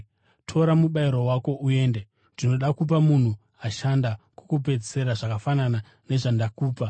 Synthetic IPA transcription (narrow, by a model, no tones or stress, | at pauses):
tʰo̞ɾamuɓaiɾowako̞ʔue̞ːnde | ndino̞ɗakup̬amun̤u | aʃandakokup̬e̞d͡zise̞ɾaʐakafanana | ne̞ʐandakuːpa